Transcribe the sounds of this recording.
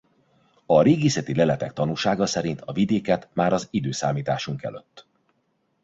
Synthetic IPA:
ɒɾeːɡisɛt̪ilɛlɛt̪ɛk̚t̪ɒnuːlʃaːɡɒsɛɾint̪ɒvid̪eːkɛt̪maːɾɒzid̪øːsaːmiːt̪aːʃuŋkɛ̰løt̪ː

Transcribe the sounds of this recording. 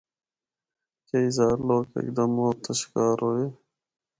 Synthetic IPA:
keizɑːɾloːkḛk̚d̪ɐmoːt̪ɐɕkɑːɾoːje

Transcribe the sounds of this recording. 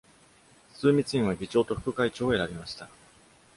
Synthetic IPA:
sɨːmʲit͡sɨĩβaɡʲit͡ɕo̞ːt̪o̞ɸɯ̟̥kɯ̟kait͡ɕo̞ːe̞ɾabʲimaɕi̥t̪a

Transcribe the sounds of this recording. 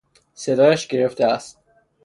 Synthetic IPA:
se̞d̪ɒːjæʃɡe̞ɾeft̪eæst̪̚

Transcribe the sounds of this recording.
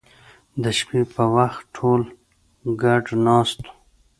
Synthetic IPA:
d̪əʃpipəwaxʈʰoːl | ɡaʈnɑːst̪o̥

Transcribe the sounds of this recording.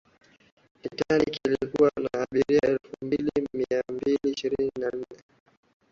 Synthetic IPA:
itaniikilikuwanaaɓiɾiaɛlfumbilimiambiliːʃiɾininan̩nɛ

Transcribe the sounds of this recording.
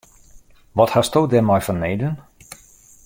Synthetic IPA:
ʋɔthastoːdɛmɔjfɔnːejdən

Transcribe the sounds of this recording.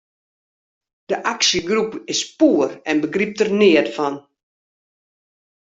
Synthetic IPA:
d̥əʔaksəɡrupɪspuərɛnbəɡrip̚tərnɪətfɔn

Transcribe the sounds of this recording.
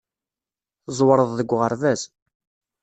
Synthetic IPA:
θzˤwəɾˤəðˤðəɡʷːʁəɾðæs

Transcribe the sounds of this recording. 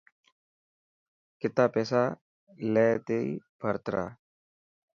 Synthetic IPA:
kɪt̪aːpɛːsaː | lɛːt̪eḭbʱəɾt̪ɾa̰ː

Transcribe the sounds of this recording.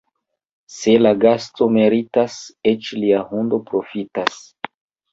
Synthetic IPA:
se̞laɡasto̞me̞ɾitaset͡ʃliahundo̞pɾo̞fitas

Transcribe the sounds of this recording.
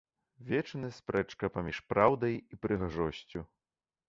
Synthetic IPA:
vʲɛt͡ʂnɨspɾɛt͡ʂkɐpamʲiʂpɾawd̪ɐjipɾɨɣaʐɔsʲt͡sʲu

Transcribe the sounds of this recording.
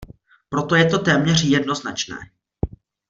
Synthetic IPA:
pɾo̞t̪o̞jɛt̪o̞t̪ɛːmɲɛr̝jɛdno̞znat͡ʃnɛ̰ː

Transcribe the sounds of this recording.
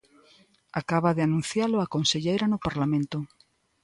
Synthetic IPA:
akaβaðeanũn̟θjalʊakonseʎejɾanʊpaɾlamẽnt̪o

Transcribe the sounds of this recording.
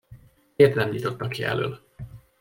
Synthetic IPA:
eːrt̪nɛmɲit̪o̞t̪ːɒkːiɛ̰lø̰ːl

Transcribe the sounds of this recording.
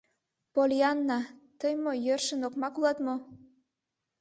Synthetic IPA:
polʲiɑnːɑt̪əjmojørʃə̆nokmɑkulˠɑt̪mo

